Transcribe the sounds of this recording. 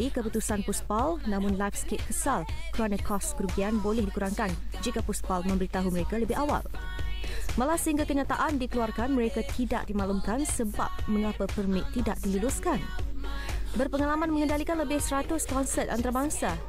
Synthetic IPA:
ikəput̪usanpuspalnãmʊ̃nlajfsket̪̚kəsalkəɾanãkɔskəɾuɡianbolɛhdikuɾaŋkand͡ʒikapuspalmə̃mbəɾit̪aɦuməɾekaləbɪɦawa̰l | malasəhiŋɡakəɲat̪aʔandikəluarkanmə̃ɾekat̪ida̰ʔdimãlumkansəba̰p̚mə̃ŋapapərmɪʔ̚t̪idaʔ̚dilulʊskan | bərpəŋalamãnmə̃ŋə̃ndalikanləbɪhsəɾat̪ʊskɔnsɛt̪̚a̰nt̪aɾabaŋsa

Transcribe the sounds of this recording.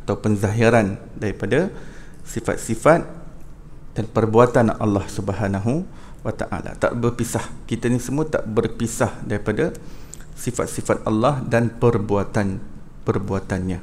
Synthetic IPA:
at̪awpənzaɦiɾan | daɾipada | sifa̰t̪̚sifat̪̚ | d̥anpərbuat̪anɑlːɑhsubəɦanaɦu | wat̪a̰ʔa̰la̰t̪a̰ʔbərpisahkit̪anisəmuat̪a̰ʔbərpisahdaɾipada | sifa̰t̪̚sifat̪̚ɑ̰lːɑhdanpərbuat̪an | pərbuat̪anɲa

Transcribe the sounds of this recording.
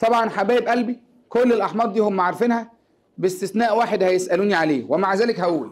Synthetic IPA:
t̪ˤɑbʕɑnħabæːbʔælbi | kolːelʔɑħmɑːɾˤd̪iːhomːaʕaɾˤfiːnhæ | best̪esnæːʔwaːħed̪hæjesʔæluːniʕaleːwemaʕzæːlekhæwːḭ

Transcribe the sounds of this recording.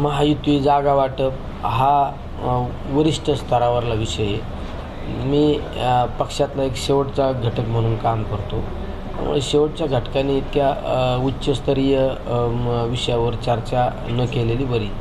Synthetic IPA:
məɦajut̪ʋid͡zaɡaʋaʈəp | ɦa | ʋəɾiʂʈəst̪ʰəɾaʋəɾlaʋiɕəje | miː | pəkʂjat̪laekɕeʋəʈt͡saɡʱəʈəkm̤əɽ̃uːnkamkəɾt̪o | t̪a̰mṵɭɕeʋəʈ̚t͡ɕjaɡʱəʈkaniːt̪kjautːɕəst̪əɾijə | ʋiɕəjaʋəɾt͡ɕaɾt͡ɕja | nəkeleliːbəɾiː

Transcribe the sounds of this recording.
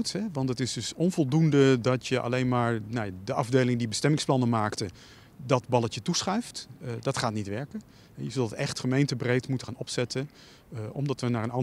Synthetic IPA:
tɦɛʋɑntətɪzdɵsɔnvɔlˠdundədɑtjəʔɑ̰lejnmaːɹnajadəʔɑvdeːjlɪŋdibəstɛmɪŋsplɑnəmaːktə | dɑtbɑlˠətətusχɛjftdɑtχaːtnitʋɛɹkə | ɦɛjəzɵlˠdətɛχtχəmejntəbrejtmutəχaːnɔpsɛtə | ʔɔ̰mdɑtʋənaːɹənɑ

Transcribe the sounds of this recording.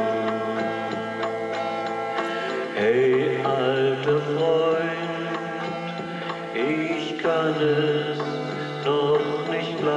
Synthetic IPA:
ʔɛɪʔaltəfʁɔʏ | n | t | t | ʔɪçkʰanɛs | nɔχnɪçtb̥la

